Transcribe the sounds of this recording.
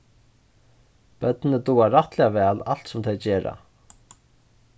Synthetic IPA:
pœt̪nɪt̪uːaɾaht̪lɛːavɛːlal̥t̪sʊmt̪ʰɛjt͡ɕeːɾa̰

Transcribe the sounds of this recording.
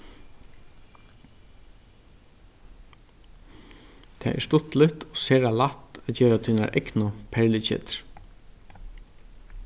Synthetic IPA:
t̪ʰɛ̰ːɛ̰ʂst̪ʊt̪lɪt̪ɔseːɾalat̪ːɛtceːɾat̪ʰiːna̰ɾʔɛ̰knʊpʰɛɹlɪcɪ̰t̪ɾ̥

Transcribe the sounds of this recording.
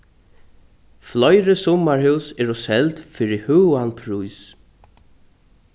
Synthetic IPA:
flɔjɾəsɔmaɹhʉwsɛɹɔsɛlt̪fɪɹihʉːanpʰɹujs

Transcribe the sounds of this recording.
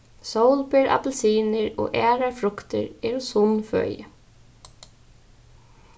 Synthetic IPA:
sowlpɪɾa̰p̪ɛlsiːnɪɹo̰ːɣʔɛːɾaɹfɾʊkt̪ɪɹɛːɾʊsʊnfœ̰ːjə̰

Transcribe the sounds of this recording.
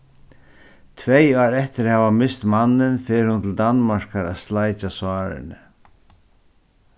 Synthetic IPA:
t̪ʰvɛjɑːɾɛht̪ɪɾhɛːvamɪst̪manːɪnfɪːɾɪhʊnt̪ʰɪld̪anmaɾ̥kaɾa̰ðslajt͡ʃasaːɾɪ̰nɪ

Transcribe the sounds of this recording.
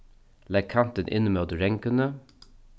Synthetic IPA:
lɛɡ̚kʰɑnt̪ənʔɪ̰nəmeːoːd̪əɾɛŋkənə

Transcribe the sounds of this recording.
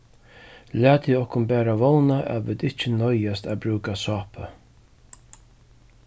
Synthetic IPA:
læːt̪ʰiɔhkʊnbæːɾavɔwnaʔɛ̰ʋɪːt̪ɪht͡ʃɪnɔjast̪abɾʉːkasɑːpə

